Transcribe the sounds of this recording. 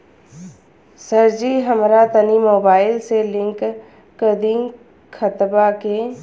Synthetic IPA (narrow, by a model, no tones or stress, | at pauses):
səɾd͡ʒiɦəmɾat̪ənimoːbaːɪlselɪ̃ŋkː | əd̪ĩŋ | xʰət̪bake